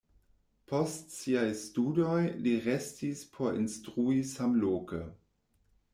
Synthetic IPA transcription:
pʰostsiajstudojliʁestispʰoɾḭnstʁuisamloːkə

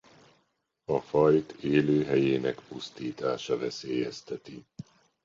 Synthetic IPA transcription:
ɒfɒjt̪eːløːɦɛjeːnɛkpust̪iːt̪aːʃɒvɛseːjɛst̪ɛt̪i

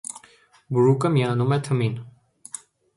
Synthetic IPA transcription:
buɾuːkɐmjaːnumɐt̪ʰɐmiːn

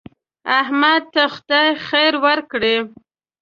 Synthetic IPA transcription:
ahmad̪̚t̪axʊd̪ajxajɾwaɾkɽe

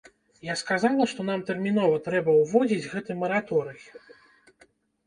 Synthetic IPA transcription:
jaskazalˠɐʂt̪ɔnamt̪ɛrmʲin̪ɔvɐt̪ɾɛbɐwvɔd͡zʲid͡zʲɣɛt̪ɨmɐɾat̪ɔɾɨk

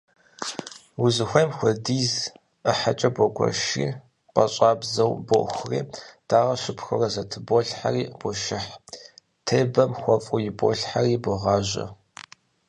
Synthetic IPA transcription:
wʊzɨxʷɐjmxʷɔdiːz | əħat͡ʃʼɐbʷɔɡʷʰɔ̰ʃḭː | pʼɐɕʼaːbzɐwboxʷrḭːd̥aːʁɐʃɪpxɨrɐzɐtʰɨboɬħa̰riːb̥ʷɔʃɪħ | tʰeːbɐmxʷɔfʼʊjɪbo̰ɬħariːbʷɔʁɑːʒɐ̰

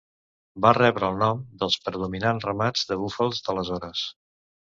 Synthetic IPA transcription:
barɛβɾəːlˠnɔmd̪əlˠspɾəðuminanrəmad͡zðəβufəlˠzd̪ələzɔɾəs

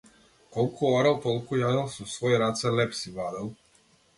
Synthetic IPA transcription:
kolˠkʰooɾalkolˠkojaːjalsusvojɾat̪salepsiblaːd̪al

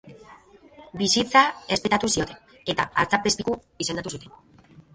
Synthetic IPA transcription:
bisit͡sae̞spe̞t̪at̪usio̞t̪e̞n | e̞t̪a̰aɾt͡sapespiku | ise̞nd̪at̪usut̪e̞n

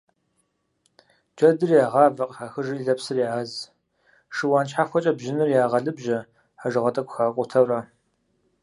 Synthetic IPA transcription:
d͡ʒʼɐdɨrjaːʁɑːvɐqʼħaxɨʒɨɮɐpsɨrjaːaz | ʂɨwaːnt͡ʃħaxʷɔt͡ʃʼɐbʒɪnɨrjaːʁɐɮɨbʒɐ | ħaʒɨʁɐtʼɐkʷʰʼʊxaːqʷʼʊtʰɐwraː

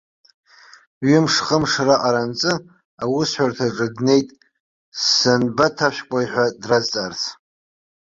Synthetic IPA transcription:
ɥɪmʂχəmʂraʔʼaɾant͡sʼɨ | awʊsħʷartʰaʈ͡ʂʼɨdne̞jtʼ | sɨnbatʰaʃᶣkʷʼajħʷᶣadrazt͡sʼart͡sʰ

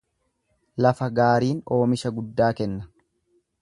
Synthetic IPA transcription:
lɐfɐɡaːɾiːno̞ːmɪʃɐɡʊd̪ːaːkɛnːɐ

